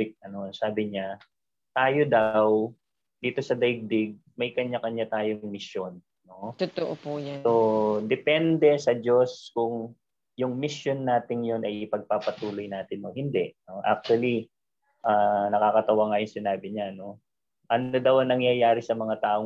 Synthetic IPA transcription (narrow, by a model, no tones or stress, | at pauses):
ɪk̚ʔɐno̞saːbɪɲa | t̪aːjod̪ɐw | d̪̥iːt̪o̞sɐd̪ɐɡ̚d̪ɪɡ̚mɐjkɐɲakɐɲat̪aːjoŋmɪsjonːo̞t̪ʊt̪oʔopuːjasod̪ɛpɛnd̪ɛsɐd͡ʒo̞skʊŋ | jʊŋmɪsjo̞nːaːt̪ɪŋjo̞nʔɐjʔɪpɐɡ̚papɐt̪uːlo̞jnaːt̪ɪnːʊŋhɪnd̪ɛʔnoʔa̰k̚t̪uwɐli | ʔaːnɐkaːkɐt̪ɐwaŋajʊŋsɪnaːbɪɲano̞ | ʔɐnod̪ɐwʔɐŋnɐŋjajaːɾɪsɐmɐŋat̪aːʔo